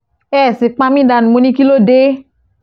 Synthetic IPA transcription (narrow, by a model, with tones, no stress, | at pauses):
ɛ˦˨si˨k͡pã˧mĩ˦da˨ñ˨mõ˧˦nĩ˦ki˦lo˦de˦